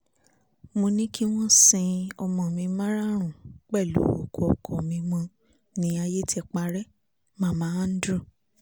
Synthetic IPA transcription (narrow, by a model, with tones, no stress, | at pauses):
mo˧nĩ˦ki˦w̃ɔ̃˦sĩ˧ɔ˧mɔ̃˨mĩ˧mã˦ɾa˦ɾ̃ũ˨k͡pɛ˦˨lṵ˨˦o̰˨kʰo˨ɔ˨kʰo˨mĩ˧mɔ̃˧ | nĩ˨˧˦a˧je˦tɛ˧k͡pa˧ɾɛ˦ | mã˦mãː˨˦a˦n̩˦dɾu˦˨